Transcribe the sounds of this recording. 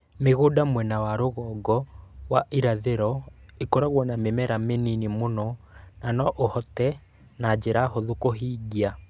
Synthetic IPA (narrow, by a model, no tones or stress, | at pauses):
meɣoːdamwɛnawaɾoɣɔɡɔwaʔiɾaðeɾɔekoɾaɣwɔnamemɛɾameninimonɔ | nanɔʔohɔtɛ | nad͡ʒeɾaɦoðokoɦiːɡia